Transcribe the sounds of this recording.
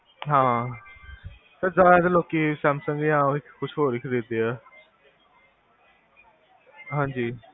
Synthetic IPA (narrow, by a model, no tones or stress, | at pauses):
ɦãː | t̪əzaːɛːd̪eloːkiːsɛːmsə̃ŋɡãːɪkʰːʊt͡ʃʰɦoːɾɪkʰəɾeːd̪eːɛː | ɦãːɲd͡ʒiː